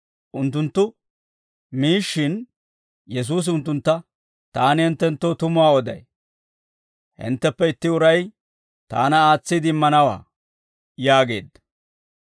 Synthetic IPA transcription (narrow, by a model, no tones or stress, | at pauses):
ʔʊnt̪ːʊnt̪ːʊ | miːʃːɪn | jɛs̬uːs̬ʊnt̪ːʊnt̪ːɐ | t̪aːnɪhɪnt̪ːɛnt̪ːoːt̪ʊmʊaːɔd̪ɐ̰j | hɪ̰nt̪ːɛpːɛɪt̪ːɪʊɾɐj | t̪a̰ːnɐaːt͡sːɪd̪ɪmːɐnɐwa̰ː | jaːɡe̞̰ːd̪ɐ